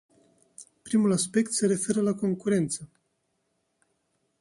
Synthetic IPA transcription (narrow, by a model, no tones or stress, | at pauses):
pɾimulaspe̞kt̪se̞ɾe̞fe̞ɾəlako̞ŋkuɾe̞nt̪sə